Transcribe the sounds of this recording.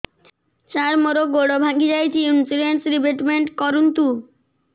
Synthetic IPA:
t͡ɕaɾmoɾoɡoɽobʱaŋɡid͡ʑajt̪ʰiunsiɖeɳʈsɾibeʈmeɳʈkɔɾunt̪u

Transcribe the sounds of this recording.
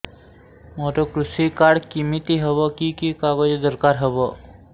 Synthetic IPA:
moːʈokɾusikaːɽkimit̪iɦəbəkikikaːɡəd͡ʒd̪əɾkaːɾɦəbə

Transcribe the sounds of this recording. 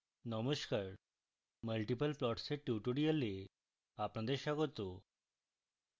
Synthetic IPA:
nɔmoʃkaɾ | məlʈipəlplɔʈseʈjuʈoɽiale | apnad̪eɾʃɔɡot̪o

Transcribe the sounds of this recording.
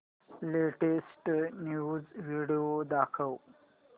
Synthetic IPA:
leʈesʈnjuzʋiɖiod̪akʰəw

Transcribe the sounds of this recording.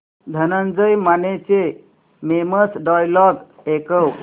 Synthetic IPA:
d̪ʱənənd͡zəjmanet͡se | meməsɖajlɔɡ | ekəw

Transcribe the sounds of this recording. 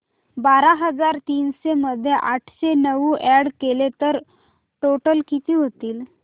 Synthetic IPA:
baɾaɦəd͡zaɾt̪iːnɕeməd̪ʱːjeʔaʈʰɕenəʋuːʔɛɽkelet̪əɾ | ʈoʈəlkit̪iːɦot̪iːl

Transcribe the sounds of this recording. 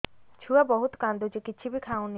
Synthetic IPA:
t͡ʃʰuabɔɦut̪kand̪ud͡ʒekit͡ʃʰibikʰaõni

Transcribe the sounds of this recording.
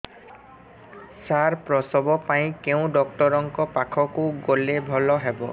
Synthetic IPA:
saɹpɹɔsɔbɔpaj̃keʊ̃dɔk̚tɔɾɔŋkɔpakʰɔkuɡolebʱɔlɔɦɛbɔ̰

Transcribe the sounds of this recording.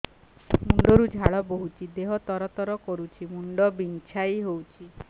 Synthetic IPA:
muɳɖɔɾud͡ʒʱaɭɔboɦut͡ʃʰid̪eɦɔt̪ɔɾɔt̪ɔɾɔkɔɾut͡ʃʰimuɳɖɔbiŋt͡ʃʰajɦowt͡ʃʰi

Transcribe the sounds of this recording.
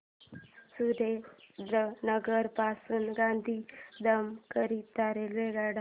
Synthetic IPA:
sud̪ʱed̪ənəɡəɾpasuːnɡãnd̪ʱiːd̪əmkəɾit̪aɾelʋeɡaɽa

